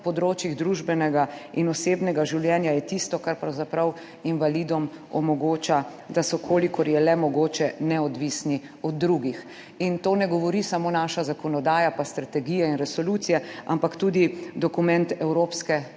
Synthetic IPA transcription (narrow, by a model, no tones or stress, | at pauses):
pɔd̪ɾoːt͡ʃjiɣd̪ɾuʒbɛnɛɡainɔseːbnɛɡaʒiwljɛnjajɛt̪ist̪ɔkaɾpɾawzapɾɐw | inʋalid̪ɔmɔmɔɡoːt͡ʃa | d̪asɔkʰoːlikɔɾjɛlɛmɔɡoːt͡ʃɛnɛɔd̪ʋisni | ɔd̪̚ːɾuɡix | int̪oːnɛɡɔʋɔɾisamoːnaːʃazakɔnɔd̪aːjapast̪ɾat̪ɛɡijɛinɾɛsɔluːt̪sijɛa̰mpakt̪uːd̪id̪ɔkumɛnt̪ɛwɾoːpskɛ